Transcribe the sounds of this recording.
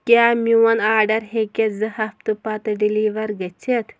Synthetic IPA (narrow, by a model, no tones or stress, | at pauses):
kʲjaːmiwɐnaːɾɖɐɾɦekʲezɐhɐft̪ɨpɐt̪ɨɖiliʋɐɾɡɐt͡ʃʰet̪ʰ